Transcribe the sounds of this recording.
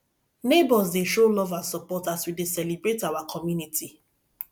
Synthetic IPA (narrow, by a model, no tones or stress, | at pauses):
nebɔzdeʃolɔvasɔpɔtaswidesɛlibɾetawakʰɔmjunitʰi